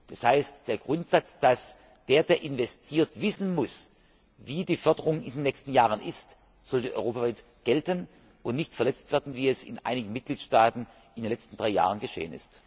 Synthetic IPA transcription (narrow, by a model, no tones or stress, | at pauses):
d̥ashaɪstd̥eːɐɡ̥ʁʊntz̥at͡sd̥as | d̥eːɐdeːɐʔɪnvɛstʰiːɐtv̥ɪsn̩mʊs | viːdiːfœɐdəʁʊŋɪndeːnːɛçstn̩jaːʁ̞ənʔɪst | z̥ɔldiːʔɔ̰ʏʁoːpavaɪtɡ̥ɛltən | ʔʊntnɪçtfɛɐlɛt͡stv̥ɛɐdn̩viːɛsɪ̰nʔa̰ɪnɪɡn̩mɪt̚ɡ̥liːtʃtaːtn̩ | ʔɪndenlɛt͡sstn̩d̥ʁaɪja̰ːʁ̞ənɡəʃḛːənɪ̰st